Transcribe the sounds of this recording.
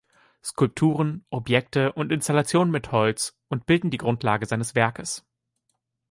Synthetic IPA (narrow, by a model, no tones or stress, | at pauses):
skʰʊlp̚tʰuːʁənʔɔpjɛk̚təʔʊntʔɪnstalat͡sjoːnənmɪthɔlt͡s | ʊntb̥ɪldn̩diːɡʁʊntʰlaːɡəzaɪnəsv̥ɛɐkəs